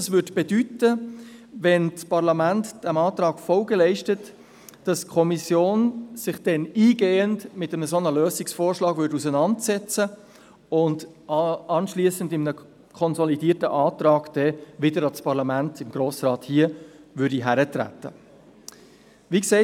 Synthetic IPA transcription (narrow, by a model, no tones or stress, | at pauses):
ɑsvʏdb̥ɛdytəvɛnt͡spʰɑɾlɑmæntd̥ɛmɑːtɾɑːɡ̥fɔlɡəlɛɪʃtət | d̥ɑstkʰɔmisjoːnsɪχd̥ɛniːɡeːəntmɪtəməsonəløːsɪksfoːɹʃlɑːɡ̥vʏɾusənɑntsɛt͡sə | ʊnd | ɑnʃliəsəndɪmənə | kʰɔnsɔlidiːtəʔɑːtɾɑːɡd̥ɛʋɪdəɾɑt͡spʰɑɾlɑmæntɪmɡ̥ɾoːsrɑːthiəʋʏɾdiɦæɾətɾæ̰tːə̰ | ʋikseɪ